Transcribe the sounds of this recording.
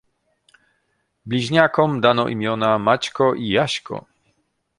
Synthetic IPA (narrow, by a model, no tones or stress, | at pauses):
blʲiʑɲakɔmd̪anɔʔḭmʲjɔnamat͡ɕkɔʔijaɕkɔ̰